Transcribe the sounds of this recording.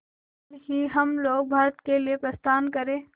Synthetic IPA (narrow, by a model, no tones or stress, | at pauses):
ɾɦiɦɐmloːɡ̚bʱaːɾət̪keliepɾɐst̪aːnkɐɾẽː